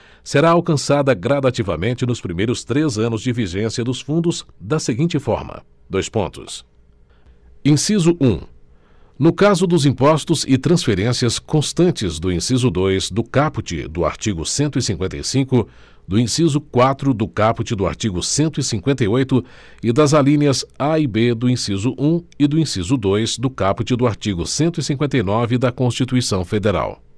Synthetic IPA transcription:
seɾaawkɐ̃sad̪ɐɡɾad̪at͡ʃivɐmẽnt͡ʃɪnʊspɾimejɾʊst̪ɾezɐ̃nʊzd͡ʒɪviʒẽsiɐd̪ʊsfũnd̪ʊzd̪ɐseɡĩnt͡ʃɪfɔ̰ɾmɐ̰ | d̪ojspõnt̪ʊ̰s | ĩsizʊʔũ | nʊkazʊd̪ʊzĩpɔst̪ʊzɪt̪ɾɐ̃sfeɾẽsiɐskõst̪ɐ̃nt͡ʃɪzd̪ʊĩsizʊd̪ojzd̪ʊkapʊt͡ʃɪ̰d̪ʊa̰ɾt͡ʃiɡʊsẽnt̪ʊisĩŋkwẽnt̪ḛjsĩkʊ | d̪ʊĩsizʊkwat̪ɾʊd̪ʊkapʊt͡ʃɪd̪ʊa̰ɾt͡ʃiɡʊsẽnt̪ʊisĩkwẽnt̪ɐjojt̪ʊ | ɪd̪ɐzalĩniɐzaibed̪ʊĩsizʊʔũɪd̪ʊĩsizʊd̪ojzd̪ʊkapʊt͡ʃɪd̪ʊaɾt͡ʃiɡʊsẽnt̪ʊisĩŋkwẽnt̪ejnɔvɪd̪ɐkõst͡ʃit̪uisɐ̃w̃fed̪eɾa̰w

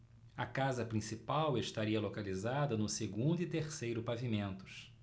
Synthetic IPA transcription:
ɐkazɐpɾĩsipaweʃt̪aɾiɐlokalizad̪ɐnʊseɡũnd̪ʊit̪eɾsejɾʊpavimẽnt̪ʊ̥s

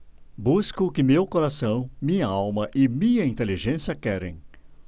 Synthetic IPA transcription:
buskʊkɪmewkoɾasɐ̃w̃mĩɲɐawmɐʔɪmĩɲɐĩnt̪eliʒẽsjɐkɛɾḛ̃j̃

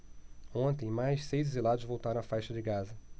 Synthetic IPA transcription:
õnt̪ẽj̃majʃsejzd̪ezilad̪ʊzvowt̪aɾɐ̃w̃afajʃɐd͡ʒɪɡazɐ

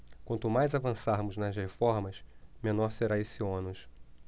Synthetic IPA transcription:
kwɐ̃nt̪ʊmajzavɐ̃saɾmʊznɐzhefɔɾmɐsmẽnɔɾseɾaesiõnʊʃ

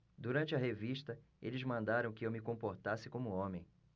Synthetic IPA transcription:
d̪uɾɐ̃nt͡ʃɪɐɦeviʃt̪ɐ | elɪzmɐ̃nd̪aɾɐ̃w̃kɪewmɪkõpoɾt̪asɪkõmʊõmẽj̃

